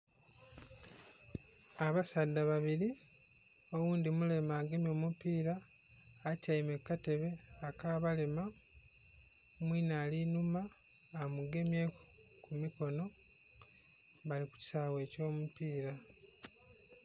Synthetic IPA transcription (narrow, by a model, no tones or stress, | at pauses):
aβasadːaβaβiɾi | o̞wuːndimule̞maːɡe̞mjo̞ːmupiːɾaː | cajime̞kːate̞βe̞akaːβale̞ma | mwiːnaːlinumaː | muɡe̞mjekumiko̞no̞ | βaliku̥ci̥saːwe̞ːco̞ːmupiːɾa